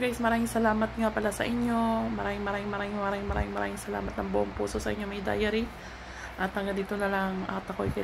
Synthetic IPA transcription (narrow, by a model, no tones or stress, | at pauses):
ɡajsmɐɾaːmɪŋsɐlaːmɐt̪̚ŋapɐlasɐ̰ʔɪɲjo̞mɐɾaːmɪŋmɐɾaːmɪŋmɐɾaːmɪŋmɐɾaːmɪŋmɐɾa̰ːɪŋmɐɾa̰ːmɪŋsɐla̰ːmɐt̪nɐŋbʊʔoŋpṵːso̞sɐʔɪɲːomɐjd̪a̰ːjɐɾi | ʔɐt̪̚ːɐŋɡɐd̪iːt̪onɐlɐŋʔɐ̰t̪ɐko̰jkɐ